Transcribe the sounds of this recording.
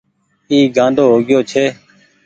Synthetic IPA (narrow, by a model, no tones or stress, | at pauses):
iːɡãːnd̪ʱoːɦoːɡɪjoːt͡ʃʰeː